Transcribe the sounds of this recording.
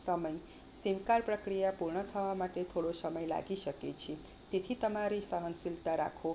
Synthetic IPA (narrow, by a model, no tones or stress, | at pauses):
sʌmʌj | siwkaɾpɾəkɾijapuɾɳʌt̪ʰəʋamaʈet̪ʰoɽosʌmʌjla̰ɡisʌket͡ʃʰi | t̪et̪ʰit̪əmaɾisəɦənsilt̪aɾa̰kʰo